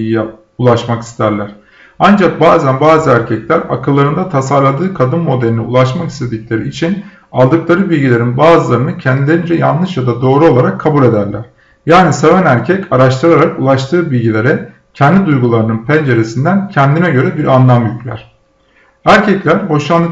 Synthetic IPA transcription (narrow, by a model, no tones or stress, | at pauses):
jij | ulˠaʃmaki̥st̪ʰæɾlʲæɾ̥ | and͡ʒak̚baːzænbaːzɯæɾcʰɛclʲæɾa̰kɯlˠːaɾɯnd̪at̪ʰasaɾlˠad̪ɯːkʰad̪ɯnmo̞d̪elʲiniṵlˠaʃmaki̥st̪ʰe̞d̪icʲlʲeɾiit͡ʃʰin | alˠd̪ɯklˠaɾɯbilʲɟilʲe̞ɾinbaːzɯlˠaɾɯnɯcʰɛnd̪ilʲe̞ɾind͡ʒɛjanlˠɯʃjad̪ad̪o̞ːɾuolˠaɾakʰːabulʲe̞d̪æɾlʲæɾ̥ | jaːnise̞vænæɾcʰɛcaɾaʃt̪ʰɯɾaɾakulˠaʃt̪ʰɯːbilʲɟilʲe̞ɾɛ | cʰɛnd̪ʲid̪ujɡulˠaɾɯnɯnpʰænd͡ʒe̞ɾesind̪æncʰɛnd̪inɛɟø̞ɾɛbiɾʔanlˠamjyclʲæ̰ɾ̥ | æɾcʰɛclʲæɾho̞ʃlˠanˠ